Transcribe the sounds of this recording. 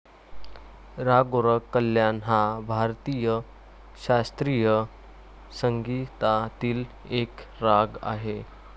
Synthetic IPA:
ɾaɡoɾəkːəljanɦabʱaɾt̪ijə | ɕast̪ɾijə | səŋɡit̪at̪iːl | ekɾaɡa̰ɦe

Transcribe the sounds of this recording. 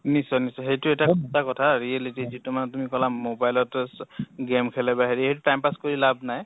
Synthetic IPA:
nisɔnisɔɦejtʊɛtakʰutakɔtʰaɹiɛlitizitumanɛtumikɔlamobajlɔtɛsɡemkʰɛlɛbaɦeɹihet̬ʊtajmpaskoɹilabnaj

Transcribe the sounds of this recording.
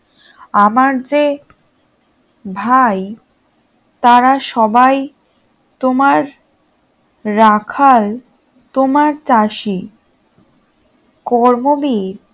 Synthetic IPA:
amaɾd͡ʑe | bʱaj | t̪aɾaʃɔbaj | t̪omaɾ | akʰal | t̪omaɾt͡ɕaʃi | kɔɾmobiɾ

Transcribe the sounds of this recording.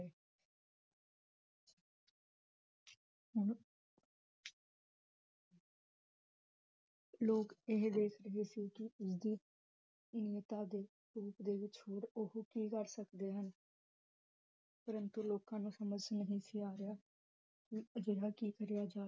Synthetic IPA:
eː | ɦʊn | loːkeɦd̪eːkʰɾəɦeːsiːkɪʊsd̪iː | niət̪aːd̪eː | ɾuːpd̪eːʋɪt͡ʃɦoːɾʊhukiːkəɾsəkd̪eːɦən | pəɾənt̪uːloːkãːnũːsəməd͡ʒnəɦĩːsiːaːɾɪjaː | ked͡ʒeːɽaːkiːkəɾjaːd͡ʒaː

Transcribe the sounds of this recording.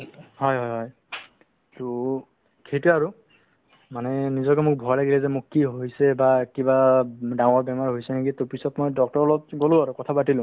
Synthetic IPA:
ɦɔjɦɔjɦɔj | tu | kʰejtɛaɹu | manɛnizɔkɛmʊk̚bʱɔjlaɡilɛzɛmʊkːiɦoɦjsɛbakibadaŋɔɹbɛmaɹiɦojsɛnakitopisɔtmɔjdɔk̚tɔɹɔlɔpɡolʊ̃aɹukɔtʰapatilʊ̃

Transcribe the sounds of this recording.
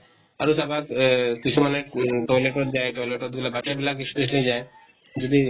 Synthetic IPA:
aɾusabat̪kit͡ʃʰumaneʈɔjleʈot̪̚d͡ʑaeʈɔjleʈot̪̚ɡulabaʃabilak̬it͡ɕʰu̥d̪eʃ̬nid͡ʑae | d͡ʒod̪i

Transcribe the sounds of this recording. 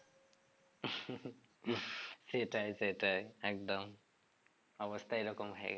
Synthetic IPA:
seʈajseʈajek̚d̪ʌm | ʌbʌst̪ʰajɾʌkɔmʱaḛɡa

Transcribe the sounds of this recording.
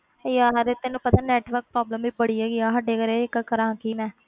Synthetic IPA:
ejaːɦɾet̪enũːpət̪aːnɛːʈʋəɾk̚pɾɔːbləmiːbəɽiːɛːɡɪaːɦəɖeːkəɾekakəɾãːkiːmɛ̃ː

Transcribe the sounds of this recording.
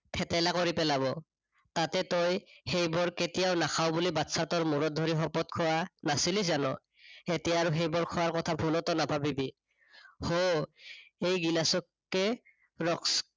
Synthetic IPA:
pʰɛtajlakoɹipɛlaβɔ | tatɛtɔjhejbɔɹketijaʊnakʰawbulibatsatɔɹmuɹɔt̚dʱɔɹixɔpɔt̚kʰɔwanasilis̬zanɔ̰ | etijaːɹuɦejbɔɹkʰɔwaɹkɔtʰabʱulɔtɔnabʱabibi | ho | ejɡilasɔkːɛ | ɹɔks

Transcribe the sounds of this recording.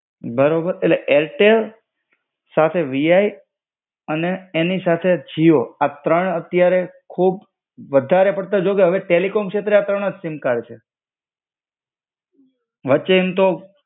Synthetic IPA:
bəɾobəɾeʈleʔelʈel | sat̪ʰeʋiaj | əneːnisat̪ʰed͡ʒioat̪ɾəɳət̪jaɾekʰub̚ | ʋəd̪ʱaɾepəɽt̪ad͡ʒokeɦəʋeʈelikomkʃet̪ɾeat̪ɾəɳ̃əd͡ʒsɪmkaɾt͡ʃʰe | ʋətːʃeːmt̪o

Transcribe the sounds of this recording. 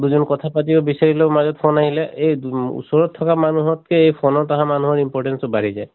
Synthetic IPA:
duzɔnkɔt̪ʰapatibɔbisaɹilemazɔt̚pʰɔnaɦilɛʔejṵsɔɹɔt̪ʰːɔkamanuɦɔt̚kɛejpʰɔnɔɹtaɦãmanuɦɔɹimpɔɹʈɛnsɔbaɹizaj

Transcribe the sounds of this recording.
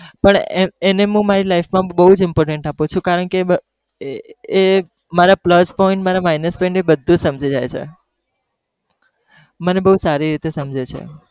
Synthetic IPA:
pəɳeeneɦũmaɾilaifmãbəɦud͡ʒɪmpɔɾʈeɳʈapũt͡ʃʰũkaɾəɳkeə | maɾapləspɔĩɳʈmaɾamajnəspɔĩɳʈebəd̪ʱːũsəmd͡ʒʱid͡ʒajt͡ʃʰḛ | mənebəɦusaɾiɾit̪esəmd͡ʒʱet͡ʃʰḛ

